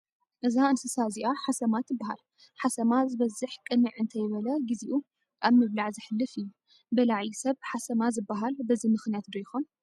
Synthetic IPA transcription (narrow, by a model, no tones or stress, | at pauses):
ʔɨzaɨnsɨsaziʔaħasɐmat̪ʰːɨbːaɦa̰l | ħasɐmazɨβɐzːɨħkʼɨnɨʕɨnt̪ʰɐjɪβɐlɐɡiziʔu | ʔaβmɨβlaʕzɨħɨlːɨfɨjːu | bɐlaʕjisɐβħasɐmazɨbːaɦalbɐzimɨxnijat̪d̪ojɪxon